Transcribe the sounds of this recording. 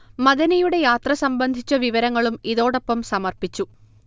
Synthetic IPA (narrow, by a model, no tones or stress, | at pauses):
mɐðɐnɐjuɽe̞jaːt̪rɐsɐmbɐnd̪ʱit͡ɕːɐʋiʋɐɾɐŋːɐɭumiðo̞ːɽo̞pːɐmsɐmɐrpit͡ɕːu